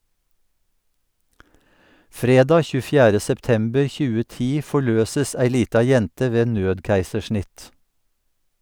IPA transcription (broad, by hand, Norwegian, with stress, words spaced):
ˈfɾeːˌdɑː ˌçʉːəˈfjæːɾə sɛpˈtɛmbəɹ ˈçʉːə ˈtiː ˌfɔˈɭøːsəs ˈæɪ ˈliːtɑ ˈjɛntə ˈʋeː ˈnøːdˌkæɪsəˌʃɳɪt